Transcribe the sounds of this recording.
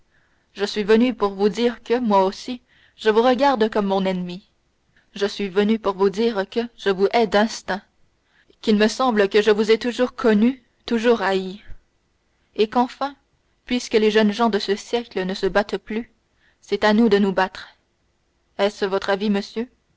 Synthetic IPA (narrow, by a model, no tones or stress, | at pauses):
ʒəsɥivənypuʁvud̪iːʁkəmwaosi | ʒəvuʁəɡʲaʁd̪kɔmːɔ̃nɛnmi | ʒəsɥivənypuʁvud̪iːʁkəʒ̥əvuʔɛd̪ɛ̃st̪ɛ̃ | kʲilməsɑ̃bləkəʒəvuzɛt̪uʒuːʁkʰɔny | t̪uʒuːʁai | ekɑ̃fɛ̃ | pɥiskəleʒənʒɑ̃d̪əsəsjɛklənəsəbat̪ply | sɛt̪anud̪ənubat̪χ | ɛsvɔt̪χaviməsjø